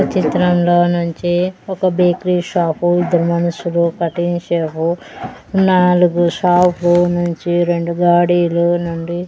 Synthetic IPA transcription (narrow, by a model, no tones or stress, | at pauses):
ɐt͡ʃit̪ɾɐmlo̞ːnuɲt͡ʃiɔkɐbeːkɾiːʂaːpuid̪ːɐɾumɐnɐsulukɐʈint͡ʃeːpu | naːluɡuʃaːpʰunuɲt͡ʃiɾe̞ɳɖuɡaːɽiːlunuɳɖi